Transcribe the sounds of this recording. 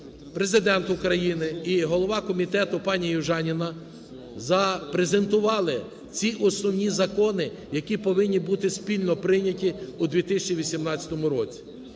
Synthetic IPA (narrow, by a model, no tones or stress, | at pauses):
pɾe̞zɪd̪ɛnt̪ʊkɾɐjinɪiɦɔlˠɔʋɑkɔmʲit̪ɛt̪ʊpɑnʲijʊʒɑnʲinɐ | zɐpɾeze̞nt̪ʊʋɑlˠɪ | t͡sʲiʔɔsnɔʋnʲizɐkɔnɪ | jɐkʲipɔʋɪnʲːibut̪ɪspʲilʲnɔpɾɪnʲɐtʲiud̪ʋʲit̪ɪsʲɐt͡ʃiʋʲisʲimnɑt͡sʲɐ̥t̪ɔmʊɾɔt͡sʲi̥